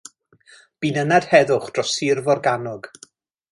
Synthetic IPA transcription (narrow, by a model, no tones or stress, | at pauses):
b̥inənad̥hɛðʊχd̥rɔsɪrvɔrɡanɔɡ